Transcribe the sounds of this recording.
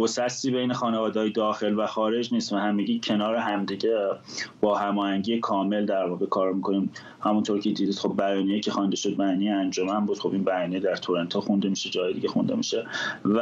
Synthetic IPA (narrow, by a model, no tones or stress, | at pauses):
bosæst̪iːbe̞jnexɒːnevɒːd̪ehɒːjed̪ɒːxe̞lvæxɒːɾe̞d͡ʒniːst̪væhæmːiɟiːcʰe̞nɒːɾeɦæmd̪iɟe̞b̥ɒːhæmɒːhæɲɟijekʰɒːme̞ld̪æɾvɒːɣekʰɒːɾmikʰo̞niːm | hæmunt̪ʰo̞ɾcʰed̪iːd̪iːd̪̥xo̞b̚ːæjɒːnijecʰe̞xɒnd̪eʃo̞d̪̚bæjɒːnijeænd͡ʒomænbuːd̪̥xo̞biːnbæjɒːnijed̪æɾt̪ʰoɾent̪ʰoxund̪e̞miʃed͡ʒɒːjeiɟe̞xund̪e̞miʃevæ